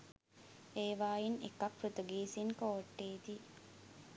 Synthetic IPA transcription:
eːʋaːjinḛkɐkfɾut̪uɡiːsiŋkoːʈːeːt̪iː

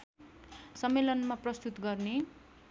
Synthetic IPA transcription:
sʌmːelʌnmaprʌst̪ut̪ɡʌrne

